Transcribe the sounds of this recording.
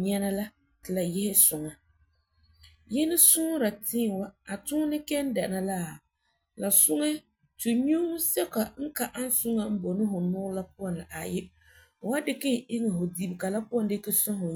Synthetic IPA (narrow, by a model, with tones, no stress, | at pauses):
ɲɛ˦na˦la˦ | tɪ˨la˨jɛ˦hɪ˦sʊ˨ŋa˨ | jɛ˦nɪ˦sʊ˦ŋ˦ɾa˨tɪː˦˨wa˦a˨tʊ˦nɪ˦kɛ˦n˦da˨na˦la˦˨ | la˨sʊ˦ŋɛ˦ | tu˨ɲu˦m˦sɛ˦ka˨ŋ̩˦ka˨ʔa˦n˦sʊ˦ŋa˦m̩˦bo˨nɪ˦ɦʊ˨nʊ˦la˦p̚ʊ˦ɔ˨nla˨ʔa˨jɪ˦ | ʊ˨wa˦dɪ˦kɪ˦˨ʔɪ˦ŋɪ˨ɦʊ˨di˨bka˨la˦pu˦ɔ˦˨ndɪ˦kɪ˦sʊ˦ɦʊ˨